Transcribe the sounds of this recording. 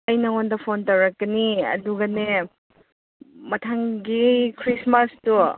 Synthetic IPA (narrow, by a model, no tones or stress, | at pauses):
ɐjnɐŋondɐpʰontɐwɾɐk̚ɡɐniɐ̰duɡɐne | mɐtʰaŋɡikʰɾismastu